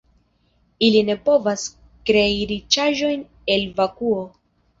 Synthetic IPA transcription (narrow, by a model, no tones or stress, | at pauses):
iline̞po̞vas | kɾeiɾit͡ʃaʒo̞jn | e̞lvakuo